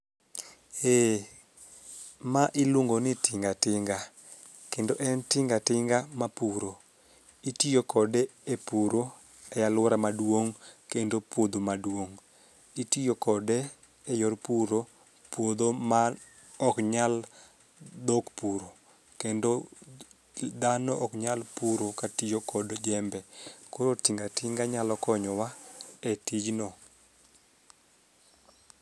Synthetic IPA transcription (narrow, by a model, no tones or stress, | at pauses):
e | maʔɪluŋɡonɪtɪŋɡatɪŋɡa | kendoʔɛntɪŋɡatɪŋɡamapuɾo | itijokɔdɛepuɾo | ɛjalwɔɾamadwoŋkendopwod̪omadwoŋ | itijokɔdɛː | jɔrpuɾo | pwod̪oma | ɔkɲal | d̪okpuɾo | kendo | d̪anɔʔɔkɲalpuɾokatijokɔdd͡ʒɛmbɛkoɾotiŋɡatʰɪŋɡaɲalɔkɔɲɔwaɛtid͡ʒnɔ